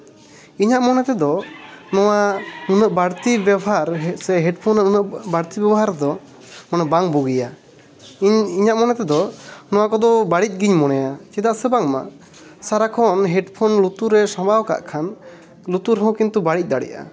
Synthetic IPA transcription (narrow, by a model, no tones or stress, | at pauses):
iɲaʔmɔnɛt̪ɛd̪ɔnɔwanunəʔbaɽt̪ibjabɔɦaɾsɛɦɛɖpʰɔnaunəʔbaɽt̪ibɛbɔɦaɾɛd̪ɔ | mɔnɛbaŋbuɡija | iɲiɲaʔmɔnɛt̪ɛd̪ɔnɔwakɔd̪ɔbaɽic̚ˀɡiɲmɔnɛjat͡ʃɛd̪aʔsɛbaŋma̰ | saɾakʰɔnɦɛɖpʰɔnlut̪uɾɛsɔ̃bawka̰ʔkʰan | lut̪uɾɦɔ̃kint̪ubaɽic̚ˀd̪aɽḭʔa̰